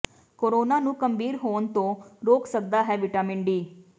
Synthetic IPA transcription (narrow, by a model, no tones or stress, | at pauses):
koːɾoːnaːnũːkəmbʱiːɾɦoːənt̪õːɾoːksək̚d̪aːɦɛːʋɪʈaːmɪɳɖiː